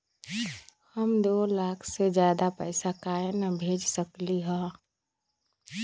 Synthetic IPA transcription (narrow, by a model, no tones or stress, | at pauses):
həmd̪oːlaːkʰsed͡ʒjaːd̪apɛɪsakaːjnəbʱeːd͡ʒsəkliɦɛ̃ː